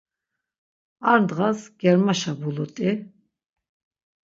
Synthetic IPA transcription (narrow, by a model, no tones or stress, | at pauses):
aɾnd̪ʁasɡ̥ɛɾmaʃabulɔt̪ʼi